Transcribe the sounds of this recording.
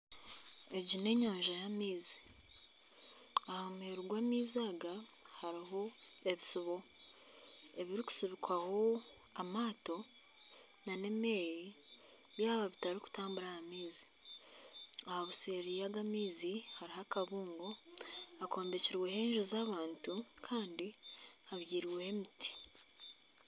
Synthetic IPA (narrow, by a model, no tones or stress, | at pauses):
e̞ɟine̞ɲoːɲʒajamiːzi̥ | ahomheɾuɡwaːmiːzaːɡahaɾiɦo̞e̞βisiβo̞ | e̞βiɾiku̥siβikwaho̞ | amaːto̞ | nane̞me̞ːji | βjaːβaβitaɾiku̥taːmbuɾahamiːzi̥ | ahaβuseɾijaɡamiːzihaɾiɦakaβuːŋɡoako̞ːmbeciɾweɦe̞ːɲʒuzaːβaːntukʰaːndiaβjiːɾiwehe̞miti̥